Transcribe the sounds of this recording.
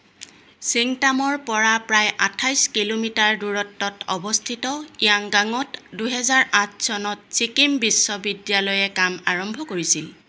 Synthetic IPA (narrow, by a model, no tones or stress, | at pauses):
siŋtamɔɹpɔɹapɹajʔatʰajskilomitaɹduɹɔtːɔtʰɔ̰bɔstʰitɔiaŋɡaŋɔtduɦɛzaɹatʰsɔnɔtsikimbisːɔbidjalɔjɛkamaɹɔmbʱɔkoɹisil